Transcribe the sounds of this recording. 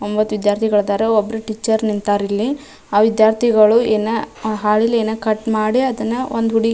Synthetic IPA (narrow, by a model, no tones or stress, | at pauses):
ombɐt̪ːuʋid̪jaːɾt̪ʰiɡɐɭd̪aːɾeobːɐɾuʈit͡ʃːɐɾnint̪aːɾilːi | aːʋid̪jaːɾt̪ʰiɡɐɭueːnɐɦaːɭileːnɐkɐʈmaːɽiɐd̪ɐnːɐond̪uɦuɽi